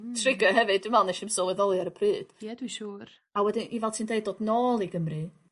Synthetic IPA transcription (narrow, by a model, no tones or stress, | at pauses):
tʰrɪɡɔɦɛvɨdɨmalˠneʃɪmsɔwɛðɔlˠjaɾəpʰrɨːd̥jɛd̥wiʃuːr | awɛdɨnʔivɛlˠtʰiːndeɨd̚doːdnoːlˠiɡəmrɨ